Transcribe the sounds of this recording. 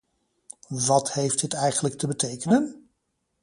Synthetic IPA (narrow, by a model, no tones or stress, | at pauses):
ʋɑthejft̚ɪtɛjχənlək̚təbətejkənən